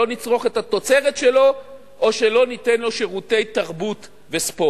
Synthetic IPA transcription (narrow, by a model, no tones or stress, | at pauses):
o̞nit͡sʁo̞χethat̪o̞t͡se̞ʁetʃelo̞ | ʔoʃelo̞nitenlo̞ʃeʁute̞jt̪aʁbut | vespo